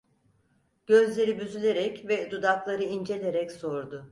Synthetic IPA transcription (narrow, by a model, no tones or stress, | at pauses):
ɟ̥ø̞zlʲe̞ɾibyzylʲe̞ɾɛcvɛd̪ud̪aklˠaɾɯind͡ʒe̞lʲe̞ɾɛcso̞ɾd̪ʊ